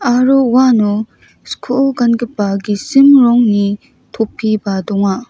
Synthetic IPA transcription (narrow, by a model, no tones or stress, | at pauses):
aɾouwanu | skʰoɡɐnɡipːaɡisimɾɔŋni | tʰopʰːibadɔŋa